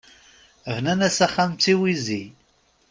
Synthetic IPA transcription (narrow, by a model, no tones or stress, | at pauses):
vnænæsæχːamt͡sːiwizi